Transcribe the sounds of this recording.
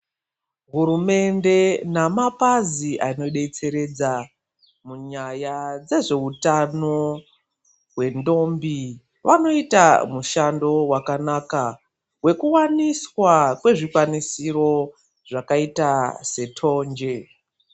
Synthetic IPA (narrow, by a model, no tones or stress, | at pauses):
ɦuɾume̞nde̞namapaziʔaino̞ɗe̞t͡se̞ɾe̞d͡za | muɲajad͡ze̞ʐe̞utano̞ | we̞ndo̞mbi | ʋano̞ita̰muʃando̞wakanaːka | we̞kuwaniswakwe̞ʐikwanisiɾo̞ | ʐakaitase̞tʰo̞ːɲd͡ʒe̞